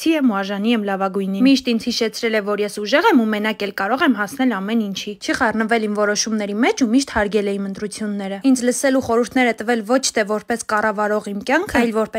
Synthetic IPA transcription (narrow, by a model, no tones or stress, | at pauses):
iɛmuɑʒɑniɛmlɑvɑɡujnimiʃt̪ind͡zhiʃɛt͡sʰɾɛlɛvɔɾjɛsuʒɛʁɛmumɛnɑkɛlkɑɾɔʁɛmɦɑsʰnɛlɑmɛnint͡ʃʰit͡ʃʰiχɑrnəvɛlimvɔɾɔʃumnɛɾimɛt͡ʃʰumiʃt̪hɑɾɡɛlɛimənt̪ɾut͡sʰjunːɛɾəind͡zləsɛluχɔɾuɾt̪ʰnɛɾət̪əvɛlvɔt͡ʃʰt̪ʰɛvɔɾpɛskɑrɑvɑɾɔʁimkjɑŋkʰəɑjlvɔɾpɛ